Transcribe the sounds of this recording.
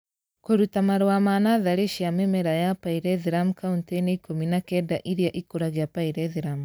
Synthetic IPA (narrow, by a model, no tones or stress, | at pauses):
koɾutamaɾwamanaðaɾeʃiamɛmɛɾajapaiɾɛðiɾamukaunteneikominakɛdaʔiɾiaʔikuɾaɣeapaiɾɛðiɾamu